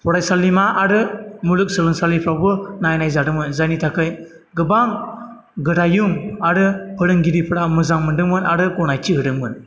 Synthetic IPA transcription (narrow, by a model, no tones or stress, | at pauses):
pʰɔɾajsalːimaːɾɯmulɯk̚sɯlɯŋsalipʰɾawbɯnajnajzadɯmɯnzanitʰakɯj | ɡɯbaŋ | ɡɯdajuŋaɾɯpʰɯɾɯŋɡiɾipʰɯɾamɯzaŋmɯndɯŋmɯnaɾɯkɔnajtiɦɯɾɯŋmɯn